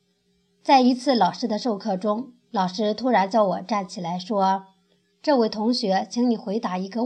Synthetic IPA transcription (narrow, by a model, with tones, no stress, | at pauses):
t͡sa˥˩ɪi˧˥t͡sʰɹ̩˥˩lɑ˨˩ʊʂɻ̩˥d̪ə˨˧ʂo˥˧ʊkʰɤ˥˩ʈ͡ʂʊ˥ŋ | lɑ˨˩ʊʂɻ̩˥t̪ʰu˥ɻa˧˥nt͡ɕjɑ˥˩ʊwɔ˨˩ʈ͡ʂa˥˩nt͡ɕʰi˨˩la˧˥ɪʂwɔ˥ | ʈ͡ʂɤ˥˧we˥˩ɪt̪ʰʊ˧˥ŋɕɥɛ˧˥t͡ɕʰi˧˥ŋni˨˩xwe˧˥ɪt̪a˧˥i˧˥ɡə˧